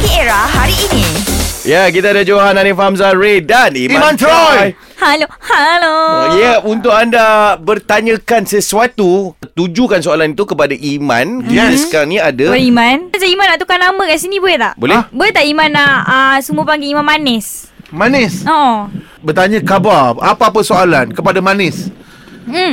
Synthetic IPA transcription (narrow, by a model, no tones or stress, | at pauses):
kieɾaɦaɾiːnijak̬it̪aadad͡ʒoɦananifaɦamzaɾedanimiamãnt̪ɾaj | halohalojaunt̪ʊkandabərt̪aɲə̃kansəsuat̪ut̪ud͡ʒukansoalanit̪ukəpadaʔimã̰nisə̥kaɾaŋnĩadabəimãnsaimãnaʔt̪ukanamə̃kaʔsinibolɛt̪aʔbolɛhbolɛt̪aʔimãnaəsumuəpaŋɡɪimanmanɛs | manɪso | bərt̪aɲə̃kabarapaapəsoalankəpadamanɪs | m̩